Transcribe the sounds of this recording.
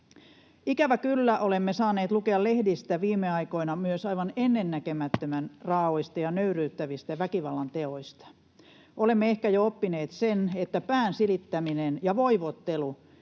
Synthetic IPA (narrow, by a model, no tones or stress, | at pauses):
ikæʋækylːæʔolemːesɑːneːt̪lukeɑle̞hdist̪æʋiːmːeɑijko̞inɑmyøsɑiʋɑnenːenːækemæt̪ːømænrɑːoist̪ɑjɑnøyryːt̪ːæʋist̪æʋækiʋɑlːɑnt̪eo̞ist̪ɑ̥ | ole̞mːeehkæjoopːineːt̪senet̪ːæpæːnsilit̪ːæminenjɑʋo̞iʋot̪ːelu